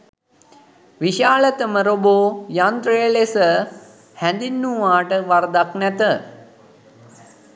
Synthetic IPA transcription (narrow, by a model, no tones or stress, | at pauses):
ʋiʃaːlət̪əməɾoboːjant̪ɾəjəlesə | hænd̪inːuʋaːʈəʋard̪aknɛt̪ə